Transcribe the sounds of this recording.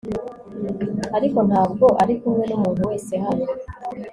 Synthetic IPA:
aɾiko̞nhaːb̚ɡo̞ʔaɾikumŋe̞numuːnuwe̞ːse̞ɦano

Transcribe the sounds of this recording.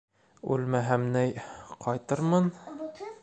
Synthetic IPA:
ʉ̰lmæɦæmnæjqʰɒjt̪ɤɾmɤn

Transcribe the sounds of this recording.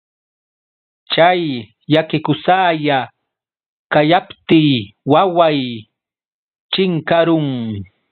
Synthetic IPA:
t͡ʃajː | akɪkʊsaːja | kajapt̪ɪːwawaj | t͡ʃɪŋkaɾʊŋ

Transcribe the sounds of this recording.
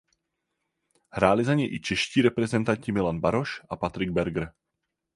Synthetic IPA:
hɾaːlɪzaɲɛjʔɪt͡ʃɛʃciːɾɛpɾɛzɛnt̪aɲcɪmɪlanbaɾoʃʔapat̪ɾɪɡ̚bɛɾɡɾ̩

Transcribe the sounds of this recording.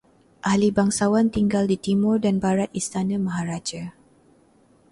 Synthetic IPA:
ʔahlibaŋsawant̪iŋɡaldit̪imʊrdanbaɾat̪̚ist̪anãmaɦaɾad͡ʒa

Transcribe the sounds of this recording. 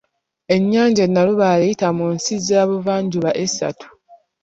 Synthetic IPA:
e̞ɲːaːɲɟanːaluβaːlejitamunsizaːβuvaːɲɟuβaʔesa̰tu̥

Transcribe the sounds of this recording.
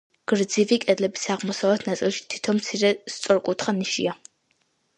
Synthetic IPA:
ɡ̥ɨrɨd͡ziviːkʼɐɮɐbɨ̥saːʁmɔsɐwɐtʰnat͡sʼɐʃtʰitʰomsʰirɐst͡sʷʼɔrkʷʼʊtʰχɐnɨʃḭja

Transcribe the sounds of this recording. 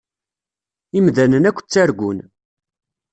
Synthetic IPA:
imðænənækʷːt͡sːæɾɡʷʊn

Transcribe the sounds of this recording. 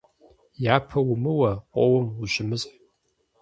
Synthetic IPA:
jaːpʰɐwʊmɨwɐqʷʼɔwɐmuʒɪmɨzʼħ

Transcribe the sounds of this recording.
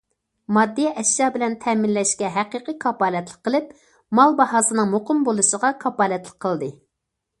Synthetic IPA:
mɑd̪ːijɛʔɛʃjɑbɪlɛnt̪ʰɛmɪnlɛʃkʲɛɦæqiqikʰɑpɑːlɛt̪lˠəqqːəlˠɪp̚ | mɑlˠbɑhɑːsɨnɨŋmoqʰʊmbolˠuʃəʁɑkʰɑpɑːlɛt̪lˠəq̚qʰːəlˠd̪ɨ

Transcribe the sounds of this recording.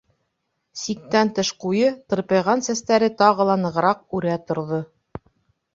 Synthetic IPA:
sik̚t̪ænt̪ɤʃqujɤt̪ɤ̆ɾpɤ̆jʁɑnsæst̪æɾɘt̪ɑʁɤ̆lˠɑnɤ̆ʁɤ̆ɾɑq̚ʉɾæt̪ŏɾðo

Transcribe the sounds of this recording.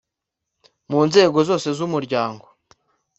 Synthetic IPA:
muːnze̞ːɡo̞zo̞ːse̞zumuɾɟaːŋɡo̞

